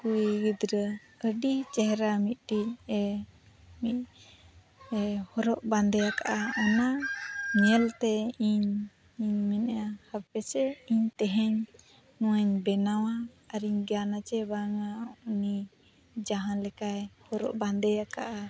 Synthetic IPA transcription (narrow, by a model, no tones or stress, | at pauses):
kuiɡid̪ɾə | əɖit͡ʃɛɦɾamit̪̚ˀʈic̚ɛ | mit̚ | hɔɾɔʔband̪ɛjakaʔaʔɔnamɛlt̪ɛiɲ | iɲmɛnjahapɛsɛiɲt̪ɛɦɛɲ | nũwaɲbɛnawaː | ɾiɲɡanat͡ʃɛbaŋauni | d͡ʒaɦãnlɛkajhɔɾɔ̰ʔband̪ɛjakaʔa